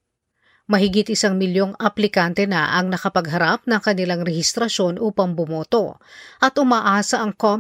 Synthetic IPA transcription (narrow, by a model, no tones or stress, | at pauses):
mɐɦɪɡɪt̪̚ʔɪsaŋmɪljo̞ŋɐplɪkant̪ɛnɐ̰ʔɐŋnɐkɐpɐɡɦɐɾap̚nɐŋkɐnɪlaŋɾɛhɪst̪ɾɐʃo̞nʔuːpɐŋbʊmoːt̪o̞ʔɐt̪ʊmaːʔaːsɐʔɐŋko